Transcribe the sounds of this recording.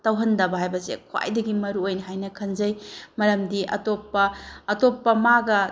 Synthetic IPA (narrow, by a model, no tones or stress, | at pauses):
tɐwɦɐndɐbɐɦajbɐsḛkʰwa̰jdɐɡimɐɾuojnɐɦajnɐkʰɐnzɐjmɐɾɐmdiʔɐ̰topːɐːtopːɐmaɡɐ